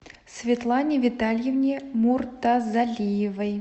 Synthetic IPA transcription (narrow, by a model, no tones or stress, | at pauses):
svʲɪt̪lˠanʲɪvʲɪt̪alʲjevnʲemurt̪azalʲijɪvəj